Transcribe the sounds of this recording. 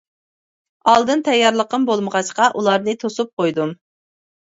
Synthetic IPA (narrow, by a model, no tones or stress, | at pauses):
ɑlˠd̪ɨnt̪ʰɛjːɑɾlˠəqəmbolˠməʁɑʃqɑʔulˠɑɾnɨt̪ʰosup̚qojd̪um